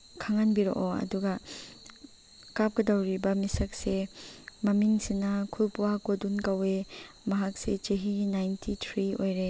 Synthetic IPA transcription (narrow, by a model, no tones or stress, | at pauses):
kʰaŋanbiɾo̰ʔoɐ̰duɡɐ | kap̚kɐdawɾibɐmisɐk̚semɐmiŋsinɐkʰulpuwakodunkawe | mɐɦak̚set͡ʃeɦinajntʰitʰɾiojɾe